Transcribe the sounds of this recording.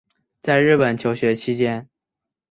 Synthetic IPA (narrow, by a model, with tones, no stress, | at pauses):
t͡sa˥˧ɪɻɻ̩˥˩pə˨˩nt͡ɕʰjo˧˥ʊɕɥɛ˧˥t͡ɕʰi˥t͡ɕjɛ˥n